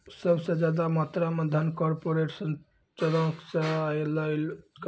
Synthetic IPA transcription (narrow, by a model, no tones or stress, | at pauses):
səbsed͡ʒad̪amat̪ɾaməd̪ʱənkɔɾpoɾesən | t͡ʃɔɾɔ̃ksajləɪlk